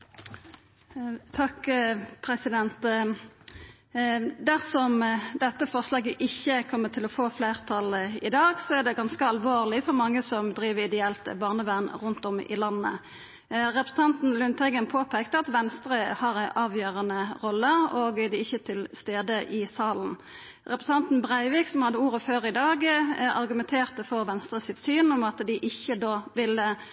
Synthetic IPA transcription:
t̪ʰɑkpʰɾɛsɪd̪ɛnt̪ | d̪æʁsɔmd̪ɛt̪ːəfɔʁslɑːɡəʔɪçːəkʰɔmːət̪ʰɪlɔfoːfleːʁt̪ʰɑlɪd̪ɑːɡsɔæʁd̪ɛɡɑnskəɑlʋoːʁlɪfɔʁmɑŋːəsɔmd̪ʁiːʋəɪd̪ɛɛlt̪bɑːʁnəʋæʁnʁʉnt̪ɔmɪ̰lɑnːə̰ | ʁɛpɾʁsn̩ɑnt̪n̩lʉnt̪ʰɛɡənpʰoːpʰɛkt̪əɑt̪ʋɛnst̪ʁəhɑːʁæɪʔɑːʋjøːʁənəʁɔlːəɔːɡd̪ɪɪçːət̪ʰɪlst̪eːd̪əʔɪsɑːln̩ | ʁɛpɾʁəs̩ɑnt̪n̩bʁæɪʋiːksɔmhɑd̪ːəuːɾəføːʁɪd̪ɑːɡɑʁɡʉmɛnt̪ʰeːʁt̪ɔfoːʋɛnst̪ɾʁəsɪt̪syːnɔmɑt̪d̪ɪʔɪçːəd̪oːʋɪlə

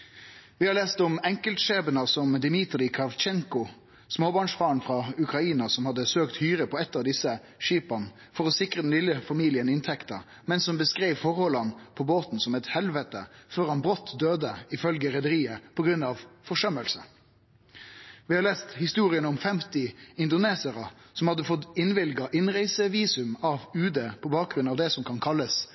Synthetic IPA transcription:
ʋɪhɑɾɭeːst̪ɔmɛŋkəlt̪ʃeːbənəsɔmd̪ɪmɪt̪ɾɪkʰɑʋt͡ʃɛŋkʊ | smoːbɑːɳʂfɑːɳfɾɑʉkɾɑiːnɑsɔmhɑd̪ːəsøːkt̪hyːɾəpʰɔɛt̪ːɑʋd̪ɪsə | ʃiːpɑn | fɔɾɔsɪkʁəd̪ɛnlɪlːəfɑmiːlɪənɪnt̪ʰɛkt̪ə̰ | mɛnsɔmbəskɾeɪʋfɔʁhɔlɑnpʰɔboːt̪n̩sɔmɛt̪hɛlʋət̪əføːɾhɑnbɾɔt̪ːd̪øːd̪əɪfœlɡəɾɛd̪əɾiːəpʰɔɡɾʉnɑʋfɔʂœməlsə | ʋɪhɑɾleːst̪hɪst̪uːɾɪənəɔmfɛmt̪ɪɪnd̪ʊneːsəɾəsɔmhɑd̪ːəfɔt̪ɪnʋɪlɡɑʔɪnʁæɪsəʋiːsʉmɑʋʉːd̪əpʰɔbɑːk̚ɡɾʉnɑːʋd̪ɛsɔmkʰɑnkʰɑlːəs

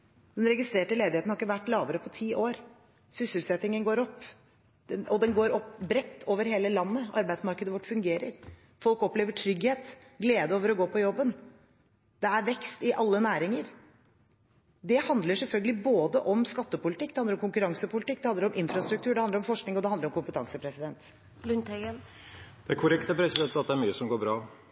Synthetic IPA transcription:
d̪̥ɛnɾɛɡɪst̪ɾeːʈəleːd̪ɪhet̪n̩hɑɾɪkːəʋæʈːlɑːʋəɾəpʰɔt̪ʰiːʔoːɾ | sʏsəlsɛt̪ːɪŋənɡoːɾɔpː | d̪̥ɛɔd̪ɛnɡoːɾɔpːbɾɛt̪ʰːoːʋəɾɦeːləlɑnːəɑ̰ɾbæɪsmɑɾkəd̪əʋɔʈːfʉŋɡeːɾəɾ | fɔlkɔpleːʋəʈʰɾʏɡheːt̪ɡleːd̪əoːʋəɾɔɡoːpʰɔjɔbːən | d̪̥ɛæɾʋɛkst̪ɪʔɑlːənæːɾɪŋəɾ | d̪ɛhɑnd̪ləʂɛlfœlɡəlɪboːd̪əʔɔmskɑt̪ːəpʊlɪt̪ɪkːd̪ɛhɑnd̪əɾɔmkʰʊŋkʉɾɑŋsəpʊlɪt̪ɪkːd̪ɛhɑnd̪əɾɔmʔɪnfɾɑst̪ɾʉk̚t̪ʰʉːɖɛhɑnd̪əɾɔmfɔʂknɪŋɔd̪ɛhɑnd̪əɾɔmkʰʊmpət̪ʰɑŋsəpʰɾɛsɪd̪ɛnt̪ | lʉnt̪ɛɡən | d̪̥ɛæɾkʰʊɾɛkt̪əpʰɾɛsɪd̪ɛnt̪ːɑt̪̚d̪ɛæɾmyːəsɔmɡoːbɾɑː

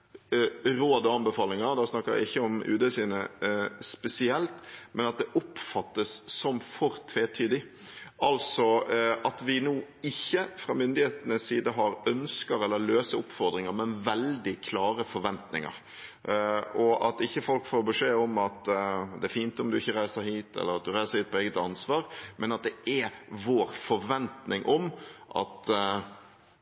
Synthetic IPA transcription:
ɾoːd̪ɔɑnbɛfɑːlɪŋəɾd̪ɛsnɑkːəɾæ̰ɪɪçːəɔmʉ̰ːd̪əsiːnəspɛsɪɛlt̪mɛnɑt̪̚d̪ɛʔʊpfɑt̪ːəsːɔmfɔɾt̪ʰʋeːt̪ʰyːd̪ɪ | ɑlsɔɑt̪ʋɪnoːɪçːəfɾɑːmʏnd̪ɪheːt̪ənəsːiːd̪əɦɑɾœnskəɾɛlːəɾløːsəɾʊpːfɔɾd̪ɾɪŋəɾmɛnʋɛld̪ɪkʰlɑːɾəfɔɾʋɛnt̪nɪ̰ŋə̰ɾ | ɔʔɑt̪ɪçːəfɔlkfoːɾbəʂeːɔmɑt̪d̪ɛæɾfiːnt̪ɔmd̪ʉɪçːəɾæɪsəɾhiːt̪ɛ̰lːəɾɑt̪̚d̪ʉɾæɪsəɾhiːt̪̚pʰɔeːɡət̪ɑnsʋɑːɾmʔɛnɑt̪̚d̪ɛʔɛɾʋoːɾfɔɾʋɛnt̪nɪŋʔɔmʔɑ̰t̪

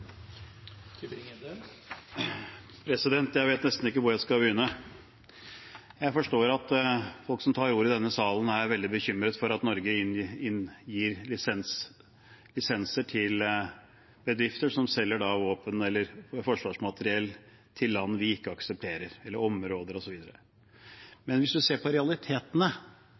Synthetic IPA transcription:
pʰɾɛsɪd̪ɛnt̪jæɪʋeːt̪nɛst̪n̩ɪkːəʋʊɾjæɪskɑbəjʏːnːə | jæɪfɔʂʈoːɾɑt̪fɔlksɔmt̪ʰɑːɾuːɾɪd̪ɛnːəsɑːlən̩æʋɛld̪ɪbəçʏmːɾət̪fɔɾɑt̪nɔɾɡəɪnɪnjiːɾlɪsɛns | lɪsɛnsəʈʰɪl | bəd̪ɾɪft̪əʂɔmsɛlːəɖɑʋoːpənɛlːəɾfɔʂʋɑːʂmɑt̪əɾɪɛlː | t̪ʰɪlːɑnːʋɪɪkːəɑksəp̚t̪ʰeːɾəɾɛlːəɾɔmɾoːd̪əɾɔsɔʋiːd̪əɾə | mɛnʋɪsd̪ʉseːpʰɔɾɛɑlɪt̪ʰeːt̪ənə

